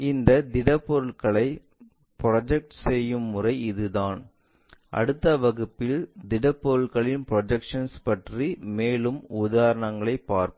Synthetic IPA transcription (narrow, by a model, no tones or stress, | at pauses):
ɪnd̪ɐd̪ɪɽɐpːɔɾɯɭkɐɭɐɪ | pɾɐd͡ʒɛk̚ʈsɛjːɯmːʊrɐɪɪðɯðaːn | ʔɐ̰ɽɯt̪ːɐʋɐɣɯpːɪld̪ɪɽɐpːɔɾɯɭɣɐɭɪnpɾɔd͡ʒɛkʂɐnspɐʈrimeːlɯmʊðaːɾɐɳɐŋɡɐɭɐɪpːaːɾpɯ